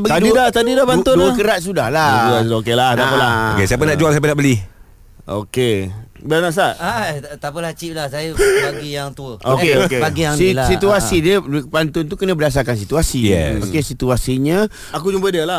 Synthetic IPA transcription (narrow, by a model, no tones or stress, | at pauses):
baɡdidat̪adidahpant̪ʊnuəkəɾaʔ̪̚s̬udahlad͡ʒuasokelat̪aəlaesaap̬ənaʔd͡ʒuals̬apənaʔbəli | o̰kebəanaʔs̬aʔat̪apəlaht͡ʃip̚lahsajəbaɡijaŋt̪uəokeokebaɡijaŋsilasit̪uasidəpant̪ʊnt̪ukənə̃bədas̬akans̬it̪uasijɛ̰pakesit̪uasiɲə | ak̬ud͡ʒumbədəla